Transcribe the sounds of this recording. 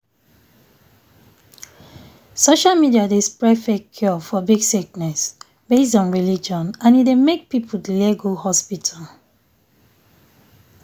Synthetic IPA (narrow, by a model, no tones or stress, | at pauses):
soʃalmidiadespɹɛfɛkʰjɔfɔbiɡsik̚nɛs | b̥esdɔ̃nɹilid͡ʒɔ̃nãnidemek̚pipʰuldlɛɡohɔspitʰal